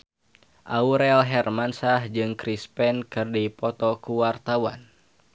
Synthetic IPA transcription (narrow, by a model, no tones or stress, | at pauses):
ʔauɾɛlɦɛrmansahd͡ʒɨŋkɾispɛnkɨrdipɔt̪ɔkuwart̪awan